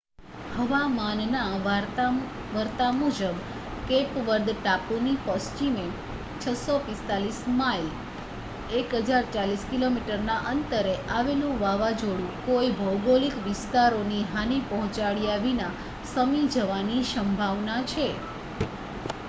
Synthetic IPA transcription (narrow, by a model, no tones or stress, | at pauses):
həʋamanna | ʋəɾt̪amud͡ʒəb | kepʋəɾd̪ʈapunipɔst͡ʃime | t͡ʃʰəsɔpɪst̪alismail | ekɦəd͡ʒaɾt͡ʃaliskilomiʈəɾnaʔənt̪əɾeʔaʋelũʋaʋad͡ʒoɽũkoibʱəwɡolikʋɪst̪aɾoniɦanipɔɦɔ̃t͡ʃaɭiaʋina | səmid͡ʒəʋaniʃəmbʱaʋnat͡ʃʰe